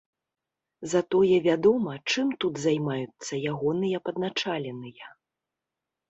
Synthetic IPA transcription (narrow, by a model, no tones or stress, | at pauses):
zat̪ɔjɛvʲad̪ɔmɐt͡ʂɨmt̪ud̪zajmajut̪sːɐjaɣɔnɨjɐpɐd̪̚nat͡ʂalʲɛnɨjɐ